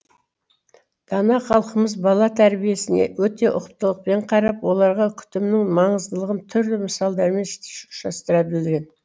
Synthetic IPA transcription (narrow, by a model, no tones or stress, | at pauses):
d̪̥ɑnɑχɑlˠqəməzbɑlˠɑt̪ʰæɾbije̞sɪne̞̰wɵt̪e̞ʔʊ̰qəp̚t̪əlˠəq̚pe̞ɴqʰɑɾɑpwo̞lˠɑɾʁɑkʲʰʏ̥t̪ɪmnɪŋmɑɴəzd̪əlˠəʁənt̪ʰʏɾd̪ɪməsɑlˠd̪ɑɾmenʃt̪ɪ̥ʃʊ̥ʃɑst̪əɾɑbɪld̪ɪɾɡʲe̞n